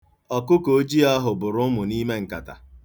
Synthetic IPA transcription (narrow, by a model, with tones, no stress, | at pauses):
ɔ˨kʊ˦ko˨˦d͡ʒi˦a˦ɦʊ˨bʊ˨ɾʊ˦mʊ˨niː˦me˦ŋ̩˨ka̰˨ta̰˨